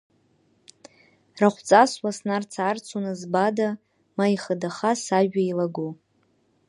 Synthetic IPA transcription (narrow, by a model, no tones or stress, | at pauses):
raχʷt͡sʼaswasnart͡sʰaːrt͡sʰonɨzbada | maiχədaχasaʒᶣailaɡo